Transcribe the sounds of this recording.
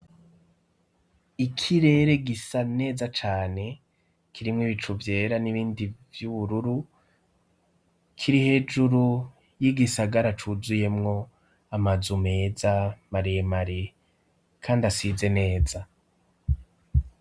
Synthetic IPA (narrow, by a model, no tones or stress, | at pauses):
ikʰiɾe̞ːɾe̞ɡisane̞ːzat͡ʃaːne̞ | kʰiɾimŋiβit͡ʃuvje̞ːɾaniβiːndivjuβuɾuɾu | kʰiɾihe̞ːd͡ʒuɾu | jiɡisaɡaɾat͡ʃuzuje̞mŋo̞ | amazume̞ːzamaɾijemaɾi | kʰaːndasize̞ne̞ːza